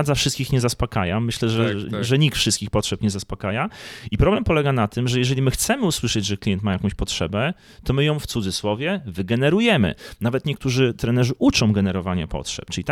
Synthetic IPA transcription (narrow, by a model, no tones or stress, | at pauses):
d̪zafʂɘst̪kʲixɲɛzaspɔkajamɘɕlɛʐɛʐɛɲikt̪fʂɘst̪kʲixpɔtʂɛpɲɛzaspɔkajaipɾɔblɛmpɔlɛɡanat̪ɘmʐɛjɛʐɛlʲimɘxt̪sɛmɘuswɘʂɛd͡ʑʐɛklʲijɛnt̪majakɔ̃w̃ɕpɔtʂɛbɛ | t̪ɔmɘjɔ̃w̃ft̪sud̪zɘswɔvʲjɛvɘɡɛnɛɾujɛmɘ̰navɛt̪ɲɛk̚t̪uʐɘt̪ɾɛnɛʐɘʔut͡ʂɔ̃w̃ɡɛnɛɾɔvaɲapɔ̰tʂɛ̰p̚t͡ʂɘlʲit̪